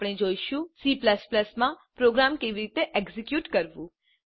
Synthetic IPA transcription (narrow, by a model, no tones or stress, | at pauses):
pɽ̃ẽd͡ʒoːiʃũsipləspləsmãpɾoɡɾamkeʋiɾit̪eʔeɡzikjuːʈkəɾʋũ